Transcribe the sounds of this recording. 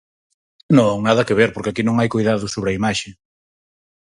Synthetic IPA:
nõŋnaðɐkeβeɾpoɾkeakinõŋajkojðaðʊsoβ̞ɾɐimaʃe

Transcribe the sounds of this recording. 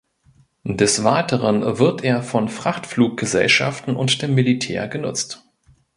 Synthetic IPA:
dɛsv̥aɪtəʁənvɪɐtʔeːɐfɔnfʁ̥aχtfluːk̚ɡ̥əzɛ̰lʃa̰ftn̩ʊntd̥eːmːilitʰɛ̰ːɐɡənʊ̰t͡st

